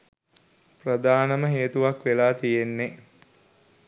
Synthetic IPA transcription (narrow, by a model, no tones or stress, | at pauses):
prɐd̪aːnəməɦeːt̪uʋakʋelaːt̪ijenːe